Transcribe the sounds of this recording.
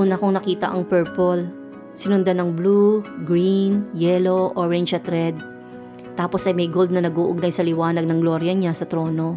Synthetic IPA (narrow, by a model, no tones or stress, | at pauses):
ʊnɐkoŋnɐkiːt̪ɐ̰ʔɐŋpɛɹpol | sɪnʊnd̪anɐŋbluɡɹinjɛlo̞ʔoɹɛnt͡ʃɐt̪ɾɛd̪̚ | t̪aːpo̞sɐjmɐjɡo̞ld̪nɐnɐɡuːʔʊɡnɐjsɐlɪwaːnɐɡ̚nɐŋɡlo̞ːɾjɐɲasɐt̪ɾo̞ːno̞